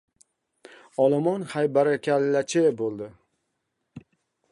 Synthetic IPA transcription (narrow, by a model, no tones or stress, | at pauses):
ɒlˠɔmɒnhajbaɾakʲalːat͡ʃʰɪbolˠd̪ɪ